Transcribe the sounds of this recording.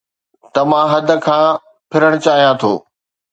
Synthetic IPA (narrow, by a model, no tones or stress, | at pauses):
t̪ɐmãɦɐd̪ʱə̆kʰãː | pʰɪɾəɽ̃t͡ɕaːɦijãt̪ʰo̰ː